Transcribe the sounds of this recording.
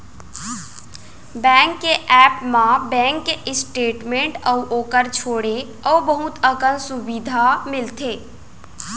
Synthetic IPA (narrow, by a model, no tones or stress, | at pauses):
bɛ̃ːŋkːeʔɛːpmãbɛ̃ːŋkːeɪsʈeːʈmẽɳʈɔʔoːkəɾt͡ʃʰoːɽe | ɔːbəɦut̪əkənsubid̪ʱamɪlt̪ʰeː